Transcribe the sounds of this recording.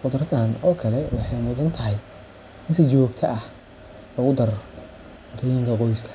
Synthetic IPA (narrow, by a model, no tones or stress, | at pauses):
χʊd̪ɾɐd̪aːnɔːkʰɐlɛwɑħɑjmʊðɐnt̪ʰɐɦɛj | ɪnsɪt͡ʃɔːɡt̪ʰɐʔɐh | lɐɣʊd̪ɐr | t̪ʰɔːjɪŋkʰɐqɔjskʰɐ̥